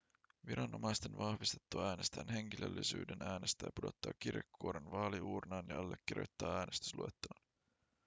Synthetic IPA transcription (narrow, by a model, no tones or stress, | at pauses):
ʋiɾɑnːʔomɑjst̪enʋɑhʋist̪e̥t̪ːuɑæːne̞st̪æːnɦe̞ŋk̟ilʔølːisy̰ːdenæːnest̪æ̰ːɑpudo̞t̪ːɑ̰ːk̟irekʰːuoɾenʋɑːliuːrnɑːnjɑɑlːekːirjo̰jt̪ːɑːæːne̞st̪y̥sluet̪ːoːn